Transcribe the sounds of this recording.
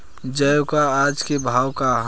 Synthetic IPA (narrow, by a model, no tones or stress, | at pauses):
d͡ʒəjokaːd͡ʒkebʱaːwkaɦ